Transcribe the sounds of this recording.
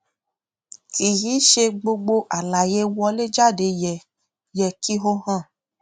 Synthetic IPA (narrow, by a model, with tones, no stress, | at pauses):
ki˨ji˨˦ʃe˧ɡ͡bo˧ɡ͡bo˧ʔa˨la˨je˨˦wɔ˧le˦d͡ʒa˦˨de˨˧jɛ˨ | jɛ˨ki˦ɦo˦hã˦˨